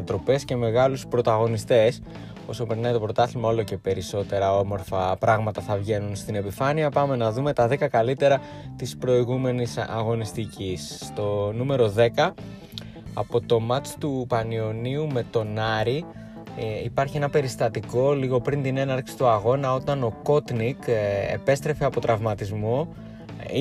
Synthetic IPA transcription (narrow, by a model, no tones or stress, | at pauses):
ɐt̪ɾo̞pe̞sce̞me̞ɣɐluspɾo̞t̪ɐɣo̞nist̪e̞s | o̞sopeɾinet̪opɾo̞t̪ɐθimɐo̞lo̞ce̞pe̞ɾiso̞t̪e̞ɾɐo̞mo̞ɾfɐpɾɐɣmɐt̪ɐθɐvʝe̞nunst̪ine̞pifɐniɐpɐme̞nɐðume̞t̪ɐðekɐkɐlit̪e̞ɾɐ | t̪ispɾo̞iɣume̞nisɐ̰ɣo̞nist̪icisːt̪o̞nume̞ɾo̞ðe̞kɐ | ɐpo̞t̪o̞mɐt̪t̪upɐnio̞niume̞t̪o̞nɐɾi | ipɐɾçie̞nɐpe̞ɾist̪ɐt̪iko̞liɣo̞pɾint̪ine̞nɐɾksi̥t̪uɐɣo̞nɐo̞t̪ɐno̞ko̞t̪nikḛpe̞st̪ɾe̞feɐpo̞t̪ɾɐvmɐt̪izmo̞ | i